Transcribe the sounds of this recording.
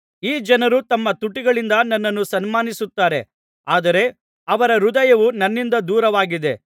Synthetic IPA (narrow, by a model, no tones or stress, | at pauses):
iːd͡ʒɐnɐɾut̪ɐmːɐt̪uʈːiɡɐɭind̪ɐnɐnːɐnːusɐnmaːnisut̪ːaːɾe̞ | aːd̪ɐɾe̞ | ɐʋɐɾɐɾud̪ɐjɐʋunɐnːind̪ɐd̪uːɾɐʋaːɡid̪e̞